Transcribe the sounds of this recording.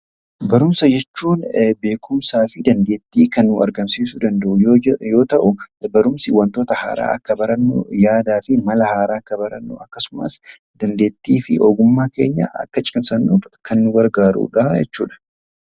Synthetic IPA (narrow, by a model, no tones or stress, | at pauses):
bɐɾʊmsɐd͡ʒɛt͡ʃːuːnbe̞ːkʰʊmsaːfɪd̪ɐnd̪e̞ːt̪ːiːkɐnːʊɐ̰ɾɡɐmsiːsʊd̪ɐnd̪ɐʔʊjjo̞ːt̪ɐʔʊbɐɾʊmsɪwɐnt̪o̞ːt̪ɐha̰ːɾa̰ːʔɐkːɐbɐɾɐnːʊ̰jaːd̪aːfɪmɐlɐhaːɾaːkːɐbɐɾɐnːʊ̰ɐkːɐsʊmɐ̰s | d̪̥ɐnd̪e̞ːt̪ːiːfɪʔoːɡʊmːaːke̞ːɲːa̰ʔɐ̰kːɐt͡ʃʼɪmsɐnːuːfkʰɐnːʊwɐɾɡaːɾṵːᶑɐd͡ʒɛ̰t͡ʃːṵːᶑɐ̥